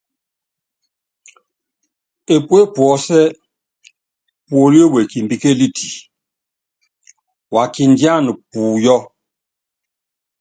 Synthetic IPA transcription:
e˨pu˦e˦pwɔ˨sɛ˦ | pu˨o˨ɾi˦e˦we˨ki˨mbi˨ke˦li˦tʰi˨ | wa˨ki˨ndi˦a˦ni˨puː˨jɔ˦

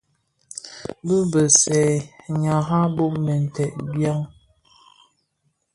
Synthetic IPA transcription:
bə˦bə˨sɛ˨ɲa˨ɣa˦bo˦ʔmɛ˨n̩˨tɛ˨ʔ̚bja˦ŋ

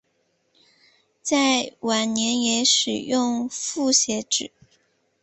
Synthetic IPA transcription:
t͡sa˥˩ɪwa˨˩nnjɛ˧˥njɛ˧˥ʂɻ̩˨˩jʊ˥˧ŋfu˥˩ɕjɛ˧˥ʈ͡ʂɻ̩˨˩˦

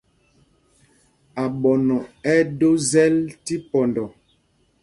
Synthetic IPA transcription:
a˨ɓɔ˨nɔ˨ɛ˦do˦zɛ˦lti˦pɔ˨ndɔ˨

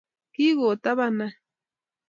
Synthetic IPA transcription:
ki˦ɣo˨t̪a˦βana

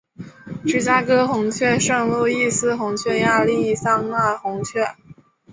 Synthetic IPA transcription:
ʈ͡ʂɻ̩˥˩t͡ɕja˥kɤ˥xʊ˧˥ŋt͡ɕʰɥɛ˥˧ʂɤ˥˧ŋlu˥˧i˥˩sɹ̩˥xʊ˧˥ŋt͡ɕʰɥɛ˥˧ja˥˧li˥˧˥sɑ˥ŋna˥˩xʊ˧˥ŋt͡ɕʰɥɛ˥˩

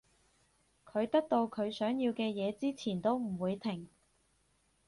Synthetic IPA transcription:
kʰɵ˨˧ɥt̪ɐ˥k̚t̪o˧wkʰɵ˨˧ɥsœː˨˥ŋjiː˧wkɛː˧jɛː˨˧t͡siː˥t͡sʰiː˨˩nt̪o˥wm̩˨˩wuː˨˧jt̪ʰɪ˨˩ŋ

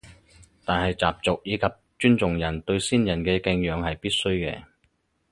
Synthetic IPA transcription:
t̪aː˨nhɐ˨jt͡saː˨˩p̚t͡sʊ˨k̚jiː˨˧kʰɐ˨p̚t͡ʃyː˥nt͡sʊ˨ŋjɐ˨˩nt̪ɵ˧ɥsiː˥njɐ˨˩nkɛː˧kɛ˧ŋjœː˨˧ŋhɐ˨jpiː˥t̚sɵ˥ɥkɛ̰ː˧

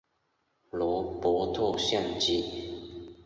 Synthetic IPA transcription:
lɔ˧˦pɔ˧˦t̪ʰɔ˥˧ɕjɛ˥˨nt͡ɕi˥

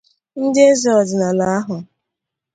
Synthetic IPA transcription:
n̩˦dɪ˦e˦zi˨ɔ˨dɪ˨na˨la˨a˦ɦʊ˨

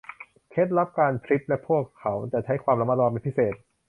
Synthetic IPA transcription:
kʰe˦˥t̪̚ɾa˦˥p̚kaː˧npʰɾi˦˥p̚lɛ˦˥pʰu˥˩əkʰːa˩˦˥wt͡ɕa˨˩t͡ɕʰa˦˥jkʰwaː˧mɾa˧˥ma˦˥lɔː˧pe˧npʰi˦˥seː˨˩t̪̚

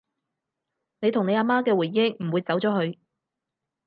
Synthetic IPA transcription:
ne˨˧jt̪ʰʊ˨ŋe˨˧jaː˧maː˥kɛː˧wu˨˩jjɪ˥ŋ̚m̩˨˩wuː˨˧jt͡sɐ˨˥wt͡sɔː˨˥ɦɵ˧ɥ

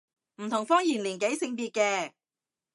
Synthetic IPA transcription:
m̩˨˩t̪ʰʊ˨˩ŋfɔː˥ŋjiː˨˩nliː˨˩nke˨˥jsɪ˧ŋpiː˧t̚kɛː˧

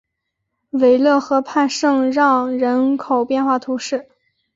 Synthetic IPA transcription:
we˧˩ɪlɤ˥˩xɤ˧˥pʰa˥˧nʂɤ˥˧ŋɻɑ˥˧ŋɻə˧˥nkʰo˨˩ʊpjɛ˥˧nxwa˥˩t̪ʰu˧˥ʂɻ̩˥˩

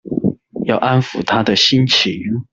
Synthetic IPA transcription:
jɑ˥˩ʊʔa˥nfu˨˩t̪ʰa˥d̪ə˨ɕi˥nt͡ɕʰi˨˧˥ŋ

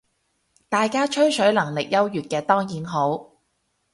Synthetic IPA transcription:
t̪aː˨jkaː˥t͡ʃʰɵ˥ɥsɵ˨˥ɥlɐ˨˩ŋlɪ˨k̚jɐ˥wjyː˨˩t̚kɛː˧t̪ɔː˥ŋjiː˨˥nɦo˨˥w

